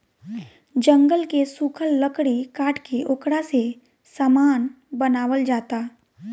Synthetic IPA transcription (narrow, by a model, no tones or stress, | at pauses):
d͡ʒə̃ŋɡəlkesuːkʰəlːəkɽikaːʈkeʔoːkɽase | saːmaːn | bənaːʋəld͡ʒaːt̪aː